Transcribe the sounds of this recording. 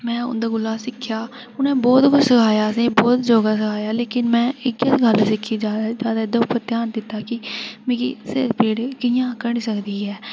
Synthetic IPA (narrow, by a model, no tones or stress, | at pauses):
mɛ̃ːʊ̰nd̪aːɡʊlaːsɪkʰjaː | ʊnẽːbɔːt̪kʊt͡ʃsəkʰaːjaːsẽːbɔːt̪d͡ʒoːɡaːs̬əkʰaːjaːleːkɪnmɛ̃ːɪkəsɡəlsɪkʰːiːd͡ʒaːd̪d͡ʒaːd̪aːɪd̪əʊpːəɾt̪ɪjaːnd̪ɪt̪ːaːkɪmẽkisḛpiːɽkɪjãːkəɽisəkd̪iːɦɛː